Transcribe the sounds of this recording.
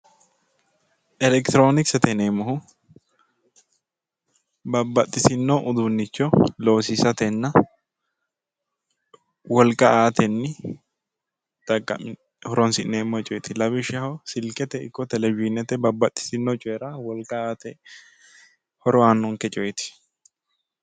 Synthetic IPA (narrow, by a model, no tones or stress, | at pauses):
ʔɛlɛkt̪ɪɾoːnɪksɛt̪ɛneːmːɔhʊ | bɐbɐt̪ʼːɪsɪnːɔʔʊd̪unːɪt͡ʃːɔloːsɪsɐt̪ɛnːɐ | wɔlkʼːɐaːt̪ɛnːɪ | d̪̥ɐkʼːɐ̰m | hɔɾɔnsɪneːmːɔt͡ʃʼɔjt̪ɪlɐbɪʃɐhɔsɪlkʼɛt̪ɛɪ̰kːɔt̪ɛlɛbɪnɛt̪ɛbɐbːɐt̪ʼːɪ̥sɪnːɔt͡ʃʼɔɛɾɐwɔlkʼɐaːt̪ɛ | hɔɾɔanːɔŋkɛt͡ʃʼɔjt̪ɪ̥